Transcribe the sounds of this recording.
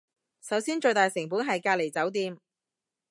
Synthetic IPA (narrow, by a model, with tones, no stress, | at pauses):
sɐ˨˥wsiː˥nt͡ʃɵ˧ɥt̪aː˨˩jsɪ˨˩ŋp̬uː˨˥nɦɐ˨jkaː˧le˨˩jt͡sɐ˨˥wt̪iː˧m